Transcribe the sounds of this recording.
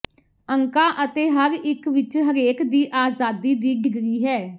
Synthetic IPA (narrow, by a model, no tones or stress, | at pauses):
əŋkaːʔət̪eːɦəɾɪkʋɪt͡ʃɦəɾeːkd̪iːʔaːzaːd̪iːd̪iːɖɪɡɾiːɦɛː